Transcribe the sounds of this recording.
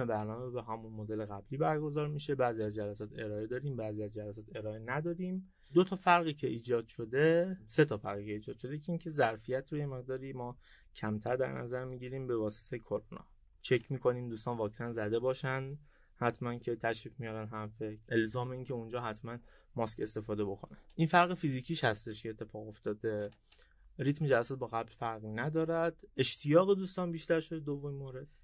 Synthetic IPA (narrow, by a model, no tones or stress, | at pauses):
ebæɾnɒːmebeɦæmunmod̪e̞leɣæbliːbæɾɡo̞zɒːɾmiʃe̞bæːziæzd͡ʒælæsɒːt̪ʰe̞ɾɒːe̞d̪ɒːɾiːmbæːziæzd͡ʒælæsɒːt̪ʰe̞ɾɒːenæd̪ɒːɾiːm | d̪ot̪ʰɒːfæɾɣiːcʰe̞iːd͡ʒɒːd̪̥ʃo̞d̪e̞se̞t̪ʰɒːfæɾɣiːcʰeiːd͡ʒɒːd̪ʃo̞d̪ecʰeiːncʰe̞zæɾfijæt̪ʰɾoje̞me̞ɣ̚d̪ɒːɾiːmɒː | cʰæmt̪ʰæɾd̪æ̰ɾnʔæ̰zæɾmiːɟiɾiːmbe̞vɒːse̥t̪ʰejkʰoɾonɒ̰ː | t͡ʃʰecʰmiːkʰo̞niːmd̪uːst̪ɒːnvɒːksænzæd̪e̞bɒːʃænd̪ | hæt̪ʰmæncʰe̞t̪ʰæʃɾiːfmijɒːɾænɦæɾfeʔelzɒːme̞iːŋcʰe̞und͡ʒɒːɦæt̪ʰmæn | mɒːske̞st̪e̞fɒːd̪e̞bo̞kʰo̞nænʔinfæɾɣefiziːcʰiːʃhæst̪e̞ʃcʰeːt̪ʰːe̞fɒːɣo̞ft̪ɒːd̪e̞ | ɾiːt̪med͡ʒælːæsɔt̪̚bɒːɣæblfæɾɣinæd̪ɒːɾæd̪̥e̞ʃt̪ʰijɒːɣe̞d̪uːst̪ɒːnbiːʃt̪æɾʃo̞d̪ed̪ovːomimoːɾe̞d̪̥